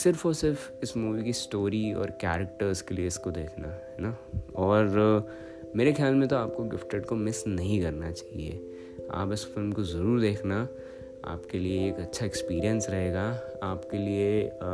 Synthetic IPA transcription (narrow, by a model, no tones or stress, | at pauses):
sɪɾfosɪɾf | ɪsmuːʋikisʈoːɾiɔ̰ːɾkɛːɾək̚ʈəɾskelieɪskod̪eːkʰnaɦɛːna | ɔːɾ | meːɾexjaːlmẽt̪oaːp̚koɡɪfʈəɖkomɪsnɐɦĩkɐɾnat͡ʃaːɦḭḛ | a̰ːpɪsfɪlmkozɐɾuːɾd̪eːkʰna | a̰ːpkelieːkɐtːʃʰaɛkspiːɾiə̃nsɾɐɦeːɡaaːpkelie